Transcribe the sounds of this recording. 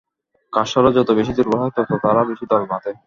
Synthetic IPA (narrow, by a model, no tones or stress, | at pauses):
kaʃɔɾad͡ʑɔt̪obeʃid̪uɾboɦat̪ɔt̪ʰot̪aɾabeʃid̪ɔlmat̪e